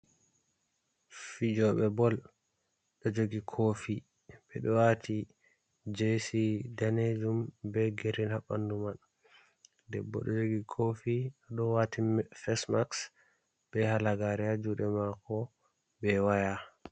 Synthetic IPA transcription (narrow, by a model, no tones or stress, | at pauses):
fid͡ʒɔɓɛbɔl | ɗɔd͡ʒoɡikʰofi | bɛɗɔwatʰi | d͡ʒesidaned͡ʒumbɛɡeɾinhaɓːa̰nduman | dɛbːɔ̰ɗɔd͡ʒoɡikʰofiɗɔɗɔwatifɛsmaks | b̥ɛhalaɡaɾɛad͡ʒuɗɛmakɔ | bɛwaja